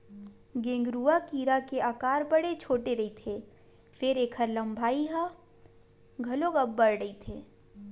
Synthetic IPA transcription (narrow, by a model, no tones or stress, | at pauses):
ɡẽːŋɡɾuːakiːɾakeaːkaːɾbɐɽet͡ʃʰoːʈeɾɐit̪ʰe | fɪɾeːkʰəɾlɐ̃mbʱaːiɦã | ɡʱɐloɡɐbːəɾɽɐit̪ʰeː